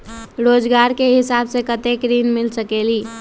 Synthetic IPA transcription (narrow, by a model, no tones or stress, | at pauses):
ɾoːd͡ʒɡaɾkeɦɪsabsekət̪ekɾinmilsəkeli